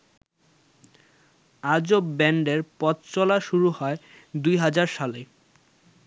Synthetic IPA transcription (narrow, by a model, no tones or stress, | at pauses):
ad͡ʑobbɛɳɖeɾpɔtt͡ɕɔlaʃuɾuɦɔe | d̪ujɦad͡ʑaɾʃale